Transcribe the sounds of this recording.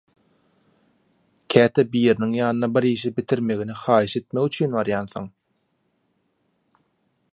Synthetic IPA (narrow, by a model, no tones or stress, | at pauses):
kʲʰæːt̪ʰebiːɾiniŋjɑːnɯnɑbiɾiːʃibit̪ʰiɾme̞ɣiniχɑːjiʃe̞t̪̚meɣyt͡ʃʰyːnβɑɾjɑːnθo̰ŋ